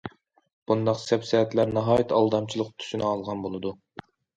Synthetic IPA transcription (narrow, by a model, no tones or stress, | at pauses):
b̥und̪ɑqsɛpsɛɦɛt̪ʰlæɾnɑɦɑːjit̪ʰɑlˠd̪ɑmt͡ʃʰilˠəqt̪ʰy̥ʃynɨɑlˠʁɑnbolˠɨd̪u